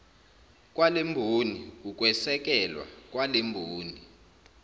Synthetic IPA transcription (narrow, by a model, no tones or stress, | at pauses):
k̬ʼwalembʱonik̬uk̬ʼwɛsɛk̬ɛlwa̰k̬walembʱoːni